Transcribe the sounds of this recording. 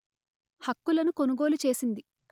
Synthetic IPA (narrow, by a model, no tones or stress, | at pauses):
hɐkːulɐnukonuɡo̞ːlut͡ʃe̞ːsind̪i